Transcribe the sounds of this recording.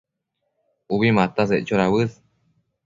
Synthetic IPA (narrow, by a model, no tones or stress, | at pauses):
uβimat̪as̬eʔt͡ʃoɾaβɨð